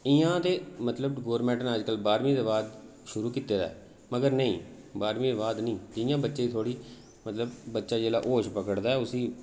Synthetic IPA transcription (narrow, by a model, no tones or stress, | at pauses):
ɪjãːt̪eːmət̪ləbɡoːɾmɛ̃ːʈənəd͡ʒkəlbaːɾmĩːd̪eːbaːd̪ | ʃʊɾuːkiːt̪ːeːd̪a̰ɛː | məɡəɾnəĩː | baːɾmiːd̪eːbaːd̪nĩːt̪ɪjãːbətːʃẽːit̪ʰoːɽiː | mət̪ləbːətːʃaːd͡ʒeːla̰ːʔoːʃpəkəɽd̪aːɛːʊsiː